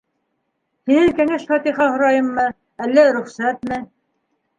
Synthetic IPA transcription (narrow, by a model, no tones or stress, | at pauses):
hinɘŋkæŋæʃfɑt̪iχɑhŏɾɑjɤmːɤ | ælːæɾɵ̆χsæt̪mɘ